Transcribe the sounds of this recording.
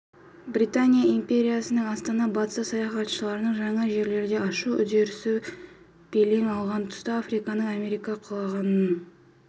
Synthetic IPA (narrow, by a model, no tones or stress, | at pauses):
bɾit̪anʲijaimpʲe̞ɾʲijasənəɴɑst̪ɑnɑbɑt̪ə̥sɑsɑjɑχɑt̪ʃəlˠɑɾənəɴʒɑɴɑʒe̞ɾle̞ɾd̪e̞ɑʃuʏ̰d̪e̞ɾɪsɪ | b̥eleŋɑlˠʁɑnt̪ʰʊ̥st̪ɑafrikɑnəɴɑme̞ɾijkɑqʰʊlˠɑʁɑnən